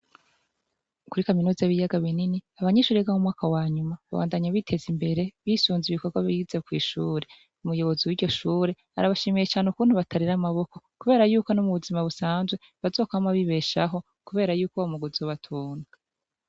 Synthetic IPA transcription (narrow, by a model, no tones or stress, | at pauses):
kuɾikaminuːzaβijaɡaβininiaβaɲeʃuːɾeɡahumŋaːkawaːɲumaβa̰βa̰ːndaɲaβitʰe̞zimbe̞ɾe̞βisuːnziβiko̞ɾɡwaβizekwḭːʃuːɾe̞ | umujo̞βo̞ziwiɾɟo̞ʃuːɾe̞ha̰ɾaβaʃimeje̞t͡ʃaːneukuːn̥huβatʰaɾiɾamaβo̞ko̞kuβe̞ːɾajuːkonomuβuzimaβusaːnzɡwe̞ | βazo̞ːkoamaβiβe̞ʃaɦo̞ | kuβe̞ːɾajuːkowamuɡuzoβatʰuːna